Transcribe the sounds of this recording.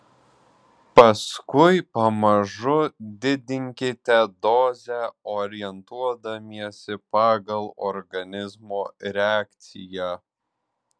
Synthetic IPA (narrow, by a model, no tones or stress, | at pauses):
pɐskʊɪpɐmɐʒʊd̪ʲɪd̪ʲɪŋʲkʲɪt̪ʲɛd̪oːzʲɛoːɾʲɪjɛnt̪uɔd̪ɐmʲiɛsʲɪpɑːɡɐlˠɔɾɡɐnʲɪzmoːɾʲɛaːkʲt̪sʲɪjæː